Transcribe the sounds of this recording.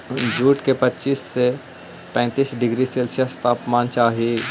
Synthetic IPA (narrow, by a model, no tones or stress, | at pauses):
d͡ʒuːʈkepətːt͡ʃiːsːe | pɛ̃ːt̪iːsɖɪɡɾiseːlsjəst̪aːpmãːnt͡ʃaːɦie